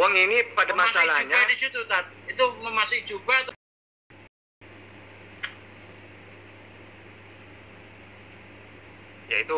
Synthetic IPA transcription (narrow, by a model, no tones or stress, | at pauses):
waŋinipadamasalaɲaadisut̪ut̪at̪̚it̪uməmasʊkid͡ʒubat̪ | jait̪u